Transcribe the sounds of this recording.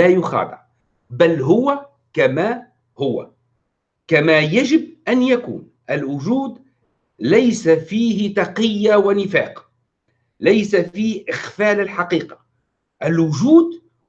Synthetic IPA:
ajʊxɑ̰ːt̪ˤɨ̰ɾ | bælɦʊwa | kama | hʊwa̰ | kamajaʒɪb̚ʔanjakṵːn | ʔɪlwʊʒuːd̪ | lajsafiːɦɪt̪ɑqɪjːawanɪfa̰ːq | lajsafiːhʔɪxfaːlɪlħɑqiːqɑ̥ | ʔɪlwʊʒuːd̪

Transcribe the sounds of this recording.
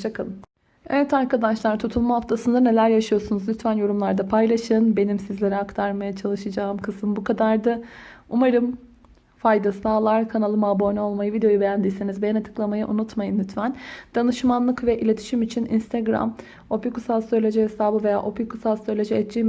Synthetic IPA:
t͡ʃakʰalˠm | evɛt̪aɾkad̪aʃlˠaɾt̪ʰut̪ʰulˠmaɦaft̪ʰasɯnd̪ane̞lʲæɾjaʃɯjo̞sunuzlʲyt̪vænjo̞ɾumlˠaɾd̪apʰajlˠaʃɯnbe̞nimsizlʲe̞ɾɛakt̪ʰaɾmajat͡ʃʰalˠɯʃɯd͡ʒaːɯmkʰɯsɯmbukʰad̪aɾd̪aumaɾɯm | fajd̪asaːlˠaɾkʰanalˠɯmabo̞nʲo̞lˠmajɯvid̪eo̞jubejænd̪iːsenizbejɛnat̪ʰɯ̥klˠamajɯʔunut̪majɯnlʲyt̪ʰvænd̪̥anɯʃmanlˠɯkvɛʔilʲe̞t̪ʰi̥ʃimit͡ʃʰinḭnst̪ʰɛɡɾa̰m | o̞pikusalˠsøɾlʲe̞d͡ʒɛɦesaːbɯve̞ja̰ːʔo̞pjukusalˠsøɾlʲed͡ʒɛɛt̪̚d͡ʒim

